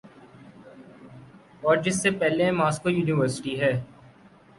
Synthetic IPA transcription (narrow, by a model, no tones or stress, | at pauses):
ɔːɾd͡ʒɪsːepɛɦlemaːskojuːnɪʋəɾsɪ̥ʈiɦɛː